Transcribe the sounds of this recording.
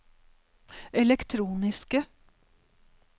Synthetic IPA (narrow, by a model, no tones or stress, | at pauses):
ɛlɛkt̪ʰɾuːnɪskə